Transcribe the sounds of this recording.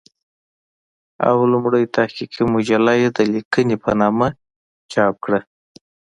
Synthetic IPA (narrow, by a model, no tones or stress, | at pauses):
a̰wlʊmɽəjt̪ahkikimʊd͡ʒalɑjed̪əlikənepə̰nɑma | t͡ʃɑp̚kɽa